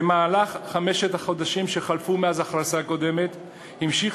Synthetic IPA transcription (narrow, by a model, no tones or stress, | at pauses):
emaːlaχːame̞ʃet̪aχo̞d̪aʃimʃe̞χalfumeazaχʁasako̞d̪e̞me̞t̪ | himʃiχ